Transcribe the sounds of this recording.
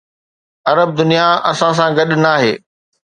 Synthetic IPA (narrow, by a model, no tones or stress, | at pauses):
ɐɾəb̚d̪ʊnijaɐsãs̬ãɡɐɗnaːɦeː